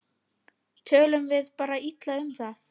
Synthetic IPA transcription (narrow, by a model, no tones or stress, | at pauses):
t̪ʰœːlʏmvɪðpaːɾait̪laʏmθaθ